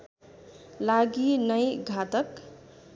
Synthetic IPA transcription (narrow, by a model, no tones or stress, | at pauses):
laɡinʌjɡʱat̪ʌk